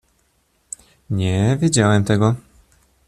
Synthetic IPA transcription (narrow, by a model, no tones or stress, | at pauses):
ɲɛvʲjed͡ʑawɛmt̪ɛɡɔ